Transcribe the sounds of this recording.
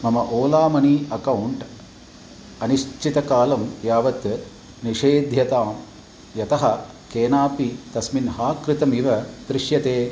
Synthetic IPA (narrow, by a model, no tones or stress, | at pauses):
mɐmɐʔoːlaːmɐniɐkɐwɳʈ | ɐniʂt͡ʃʰit̪ɐkaːlɐmjaːʋɐt̪ | niʂeːd̪ʱjɐt̪aːm | jɐt̪ɐɦɐ̆ | keːnaːpit̪ɐsminɦaːkɾɪt̪ɐmiʋɐt̪ɾɪʂjɐt̪eː